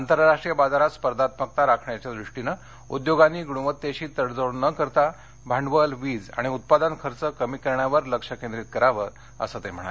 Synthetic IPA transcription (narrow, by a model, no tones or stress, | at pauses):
ant̪əɾɾaʂʈɾijəbad͡zaɾat̪spəɾd̪ʱat̪̚mək̚t̪aɾakʰɳjat͡ɕjad̪ɾuʂʈinə | ṵd̪joɡanːiːɡuɽ̃uʋət̪ːjeɕiːt̪əɽd͡zənəkəɾt̪a | bʱaɳɖʋəlʋiːd͡za̰ɽ̃iut̪̚pad̪ankʰəɾt͡səkəmiːkəɾɳjaʋəɾləkʂəkend̪ɾiːt̪̚kəɾaʋəɾ | ə̰sət̪em̤əɽ̃a̰le